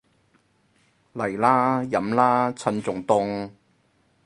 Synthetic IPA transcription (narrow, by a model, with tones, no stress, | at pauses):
lɐ˨˩jlaː˦˥jɐ˨˥mlaː˥t͡sʰɐ˧nt͡sʊ˨˩ŋt̪ʊ˧ŋ